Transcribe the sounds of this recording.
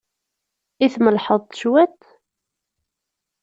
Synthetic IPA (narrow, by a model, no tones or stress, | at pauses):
iθməlħəðˤt̪ʃwæt̪